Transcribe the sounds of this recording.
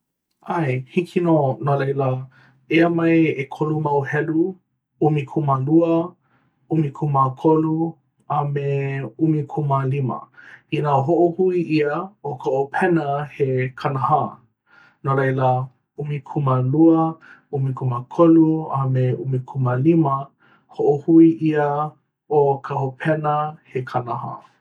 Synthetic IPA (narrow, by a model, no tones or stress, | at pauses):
ajhikʰinoːnalejlə | eəmɐjekʰolumɐwhɛlu | umikʰumaluə | umikʰumakʰolu | ameumikʰumalimə̰inaoɦoʔohuiʔiəokaʔopʰɛnəhekʰanaha | noɾejla | umikʰumaluə | umikʰumakʰoluameumikʰumalimɐ | hoʔohuiʔiə | okʰaopʰɛnəhekʰanaha̰